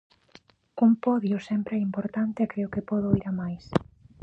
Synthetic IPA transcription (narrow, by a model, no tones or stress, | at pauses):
kompɔðjosɛmpɾeɛimpoɾt̪ant̪eɛkɾeʊkɪpɔðʊiɾamajs